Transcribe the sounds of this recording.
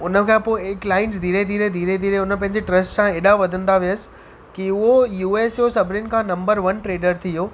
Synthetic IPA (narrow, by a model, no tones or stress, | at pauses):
ʊnə̆kʰãpoːklaːɪns̬d̪ʱiːɾed̪ʱiːɾed̪ʱiːɾed̪ʱiːɾeʊnə̆pɐ̃ɦɪ̃ɲd͡ʑeʈɾɐsʈsãeːɗaʋɐd̪ʱə̃nd̪aʋijəsɪ̥ | kiʊɦojuːeːsjosɐbʱɪɾɪnɪ̆kʰãːnɐ̃mbəɾʋɐnʈɾeːɖəɾt̪ʰijoː